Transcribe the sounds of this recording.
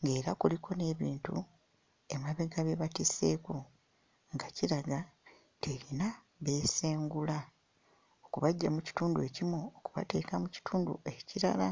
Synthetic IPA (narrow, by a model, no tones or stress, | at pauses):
ŋɡe̞ːɾakulikʰo̞ne̞ːβiːntṵ | e̞maβeɡaβeβatise̞ːku | ŋɡaciɾaɡa | teːɾina | βe̞ːse̞ːŋɡula | okuβaɟːamuci̥tuːndue̞cimoːkuβa̰te̞ːkamuci̥tʰuːndṵeciɾa̰la